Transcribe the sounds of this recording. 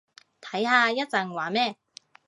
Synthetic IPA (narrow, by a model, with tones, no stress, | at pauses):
t̪ʰɐ˨˥jhaː˧jɐ˥t̚t͡sɐ˨˧ŋwaː˨˥mɛː˥˩